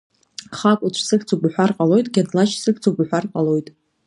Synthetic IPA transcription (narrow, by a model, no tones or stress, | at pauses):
χakʷʼuʈ͡ʂʷʰsɨkt͡sʰubħʷᶣarqʼalo̞jtʼɡʲadlat͡ʃʰsɨkʰt͡sʰubħʷᶣarqʼalo̞jtʼ